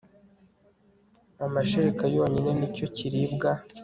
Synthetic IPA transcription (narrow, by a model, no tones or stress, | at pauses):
amaʃeɾikajoːɲinenico̞ciɾibɡa